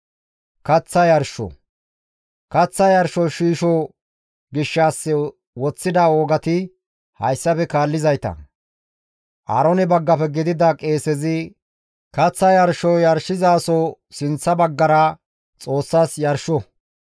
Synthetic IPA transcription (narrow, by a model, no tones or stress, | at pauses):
kɐt͡sːɐjɐɾʃɔ̰ | kɐt͡sːɐjɐɾʃɔʃiːʃɔ | ɡɪʃːaːsːɛ | wɔt͡sːɪd̪aoːɡɐt̪ɪ | hɐ̰jsːɐpɛkaːlːɪzɐjt̪ɐ̰ | ʔɐ̰ɾɔnɛbɐɡːɐpɛɡɪd̪ɪd̪ɐkʼe̞ːsɛzɪ | kɐt͡sːɐjɐɾʃɔjɐɾʃɪzaːsɔ | sɪnt͡sːɐbɐɡːɐɾɐ | t͡sʼoːsːaːsjɐɾʃɔ